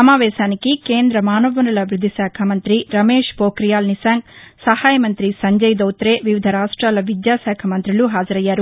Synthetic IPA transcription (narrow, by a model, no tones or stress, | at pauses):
ɐmaːʋɛːʃaːnikike̞ːnd̪ɾɐmaːnɐʋɐnɐlɐʋɾud̪ʱisaːkʰamɐnt̪ɾiɾɐmeːʂpoːkɾijaːlnisaːŋɡsɐhaːjɐmɐnt̪ɾisɐɲd͡ʒɐjd̪ɐwt̪ɾeːʋiʋid̪ʱɐɾaːʂʈɾaːlɐʋid̪jaːsɛːkʰɐmɐnt̪ɾiluɦaːd͡ʒɐɾɐjːaːɾu